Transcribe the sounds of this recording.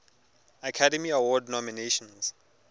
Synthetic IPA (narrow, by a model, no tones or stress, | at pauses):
akʰadɛmiawɔdnɔmineʃɔ̃ns